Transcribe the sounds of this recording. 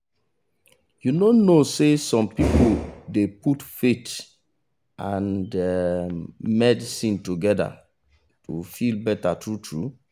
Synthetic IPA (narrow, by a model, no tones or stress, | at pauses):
junonosesɔ̃mpipodeputfet | ãnde | mɛdisĩntuɡɛda̰ | tʰufilbɛtatʰɹutʰɹṵ